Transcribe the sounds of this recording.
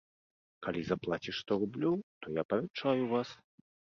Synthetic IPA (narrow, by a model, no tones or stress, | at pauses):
kalʲizaplˠat͡sʲiʂst̪ɔrublʲɔwt̪ɔjapɐvʲɛt͡ʂajuvas